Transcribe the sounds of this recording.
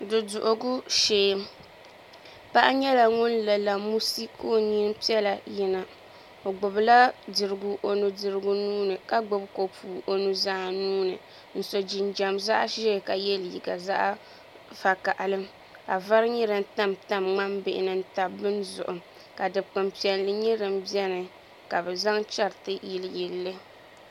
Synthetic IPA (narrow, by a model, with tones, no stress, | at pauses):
dɨ˨dʊ˨ʔʊ˨ɡʊ˦ʃeː˦ | pa˦ʔa˦ɲɛ˦la˨ŋʊ˦nlɛ˨la˨mu˦si˦ko˦ɲi˦n˦pi˦ɛ˦la˨ji˦na˨ | o˨ɡ͡bʊ˨bla˦dɨ˨ɾɨ˨ɡu˨ʔo˨nu˨dɨ˨ɾɨ˦ɡʊ˦nuː˦nɨ˨ka˦ɡ͡bʊ˨bko˨puː˨ʔo˨nu˨zaː˦nuː˦nɨ̰˨ | n̩˨so˨d͡ʒi˨nd͡ʒa˨mza˦ʔʃɛ˦˨ka˨jɛ˦lji˨ɡa˨za̰˦ʔa˦ | fa˨ka˨ʔa˨lɨ˦m | ka˨va˦ɾɨ˦ɲɛ˦ɾɨ˦n̩˦ta˦mta˦mŋ͡ma˦mbɪ˦˨ʔɪ˨nɨ˦n˦ta˨bɨ˦nzʊ̰˨ʔʊ˨ | ka˨dɨ˨bk͡pɨ˨mpi˨ɛ˨n˦lɨ˦ɲɛ˦ɾɨ˨mbi˦ɛ˦nɨ˨ | ka˨bɛ˨za˦ŋt͡ʃa˦ɾtɨ˦ji˨lji˨lːɨ˦